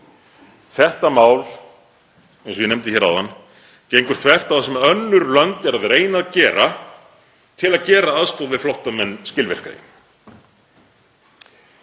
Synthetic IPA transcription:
θɛht̪amaːwl | ẽjnsɔjɪnɛmt̪ɪçɛɾa̰wðanː | cejŋkʏɾ̥θʰvɛr̥t̪awθasɛmœnːʏɾlœnt̪ɛɾaðɾeːjnaːðcɛːɾa | t̪ʰɪlaðcɛːɾaaðst̪oːðvɪðflowht̪amɛnːscɪlvɪ̰r̥ka̰ɪ̰m

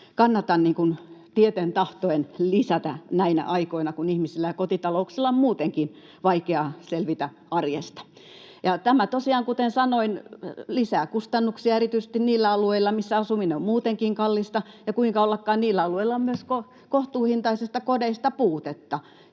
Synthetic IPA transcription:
kɑnːɑt̪ɑnniːŋkunt̪iet̪ent̪ɑht̪oenlisæt̪æ̰næinæ̰ʔɑikoinɑkunihmisilːæjɑkot̪it̪ɑlouksilːɑommuːt̪eŋkin | ʋɑikeɑselʋit̪æ | ɑrjest̪ɑ̥ | jɑt̪æmæt̪osiɑːŋkut̪ensɑnoinlisæːkust̪ɑnːuksiɑerit̪yise̥st̪inniːlːæɑlueilːˑɑmisːæɑsumineommuːt̪eŋkiŋkɑlːist̪ɑjɑkuiŋkɑolːɑkːɑːnniːlːæɑlueilːɑommyøsko | koht̪uːhint̪ɑisest̪ɑkodeist̪ɑpuːt̪et̪ːɑ

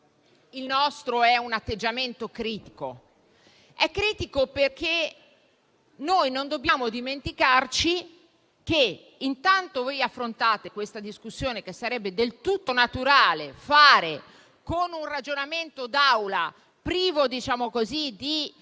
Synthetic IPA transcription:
ilnɔst̪ɾoɛunat̪ːed͡ʒːament̪okɾiːt̪iko̰ | ɛkːɾiːt̪ikoperkʰe | nojnond̪obːjaːmod̪iment̪ikart͡ʃi | ke | int̪ant̪ovojafːɾont̪aːt̪ekwest̪ad̪iskusːjoːnek̟esːaɾɛbːed̪elt̪ut̪ːonat̪uɾaːlefaːɾe | konunrad͡ʒonament̪od̪awla | pɾiːvod̪it͡ʃaːmokozid̪i

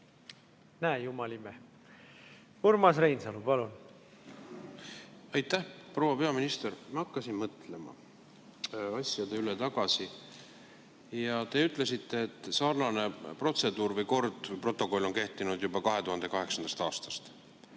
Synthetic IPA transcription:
næejumɑlime | uɾmɑsrejnsɑlupɑlun | ɑjt̪ːˑæhpro̞wɑpe̞ɑminist̪ermɑɑkːɑsinmɤt̪ˑle̞mɑ̰ | ɑsʲjɑd̪e̞ylet̪ɑɡ̥ɑsi | jɑt̪e̞yt̪ˑle̞sit̪ːe̞ːt̪ːˑsɑːrnɑne̞pro̞t̪se̞d̪̥uːrvəjko̞rd̪̥vɤjpro̞t̪ːˑo̞ko̞lːo̞nke̞ht̪ːˑinud̪̥jubɑkɑɦe̞t̪uɦɑnd̪̥e̞kɑɦe̞ksɑnd̪̥ɑst̪ɑːst̪ɑ̥st̪

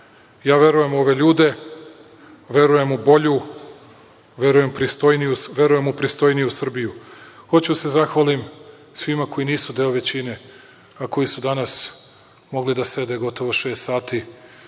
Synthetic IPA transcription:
jaːʋje̞ɾuje̞mo̞ʋe̞ʎuːd̪e̞ | ʋe̞ɾuje̞mubo̞ʎu | ʋe̞ɾuje̞mpɾist̪o̞jnijusʋe̞ɾuje̞mupɾist̪o̞jnijusr̩bijuxo̞t͡ɕuse̞zaxʋalim | sʋimako̞jiniːsud̪eːoʋe̞t͡ɕine̞ | ako̞jisud̪anas | mo̞ɡlid̪ase̞d̪e̞ɡo̞t̪o̞ʋo̞ʃe̞ːst̪saːt̪i

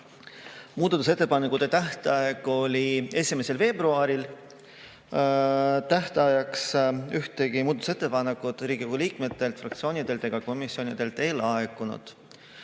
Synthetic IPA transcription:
muːd̪ɑt̪use̞t̪ˑːe̞pɑnekut̪ːe̞t̪æht̪ɑeɡ̥o̞lʲie̞sʲime̞se̞lve̞ːbruɑɾil | t̪æht̪ɑjɑksyht̪e̞ɡ̥imuːd̪ɑt̪u̥se̞t̪ːˑepɑnekːˑud̪̥ɾiːɡ̥ikoɡuliːkme̞t̪ːˑe̞lt̪frɑkt̪sio̞ːnid̪e̞lt̪eɡ̥ɑko̞misːio̞nʲid̪̥e̞lt̪ˑe̞ːlɑekːˑunṵd̪̥

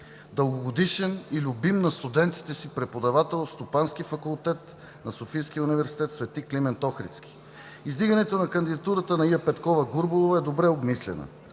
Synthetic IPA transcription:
d̪əlˠɡoɡod̪iʃɛnilʲʊbimnɐst̪ud̪ɛnt̪i̥t̪ɛsipɾɛpod̪ɐvat̪ɛlˠst̪opansk̟ifɐkulˠt̪ɛt̪ | nɐsofijsk̟iəunivɛɾsi̥t̪ɛt̪svɛt̪iklimɛnt̪ɔxɾḭt̪skʲi̥ | izd̪iɡənɛt̪onɐkɐnd̪id̪ɐt̪uɾət̪ənɐiɐpɛt̪kɔvɐɡuɾbolˠovɐɛd̪obɾɛobmislɛ̰nə̰

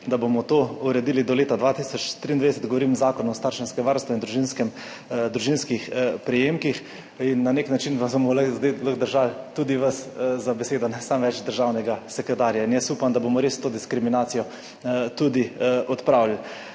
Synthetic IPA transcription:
d̪abomɔt̪oːuɾɛd̪iːlid̪ɔleːt̪ad̪ʋat̪isɔt͡ʃt̪ɾiːnd̪ʋad̪ɛsɛt̪ɡoʋɔɾimzaːkɔnɔst̪aɾʃɛnskɛʋaɾst̪ʋɔind̪ɾuʒinskɛm | d̪ɾuʒinskixpɾɛjemkix | inːaneknat͡ʃinpasomɔləzd̪ajləxd̪əɾʒalt̪ud̪iʋaszabɛseːd̪ɔnɛsamʋɛt͡ʃd̪əɾʒawnɛɡasɛkɾɛt̪aːɾjainjɛsuːpamd̪abomɔɾest̪oːd̪iskɾiminaːt̪sijɔ | t̪ud̪iʔɔt̪pɾawlal

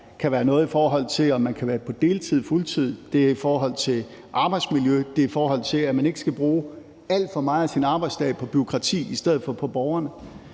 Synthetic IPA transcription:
kʰæʋæːɐnɔ̽ːð̞̩ˠifɒːɦɒ̽l̰t͡sʰe̝lɒ̽mːænkʰæʋæːɐpʰɒ̽d̥e̝ːlt͡sʰið̞̰ˠfult͡sʰið̰ˠd̥e̝æɐifɒːɦɒ̽l̰t͡sʰe̝ | ʔɑ̈b̥ɑ̈ɪd̥smiljød̥e̝ifɒːɦɒ̽l̰t͡sʰe̝læmæne̝ɡ̥əsɡ̥æb̥ʁuː | æl̰d̥fɒ̽mɑ̈ːɪæsinɑ̈b̥ɑ̈ɪd̥sd̥ɛ̰ːpʰɒ̽b̥yo̝kʰʁɑ̈t͡sʰḭːisd̥eð̰̩ˠfɒ̽pʰɒ̽b̥ɒʊɐnə

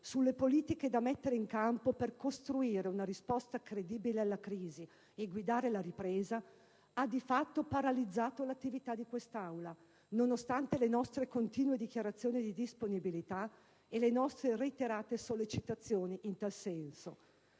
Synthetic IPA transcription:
sulːepoliːt̪iked̪amɛt̪ːeɾeiŋkampoperkost̪ɾuiːɾeunaɾispɔst̪akɾed̪iːbilealːakɾiːzi | eɡwid̪aːɾelaɾipɾeːza | ad̪ifat̪ːopaɾalid̪zːaːt̪olat̪ːivit̪ad̪ikwest̪awla | nonost̪ant̪elenɔst̪ɾekont̪iːnuwed̪ik̟jaɾat̪sːjoːnid̪id̪isponibilit̪a | elenɔst̪ɾereit̪eɾaːt̪esolːet͡ʃit̪at̪sːjoːniʔint̪alsɛnso

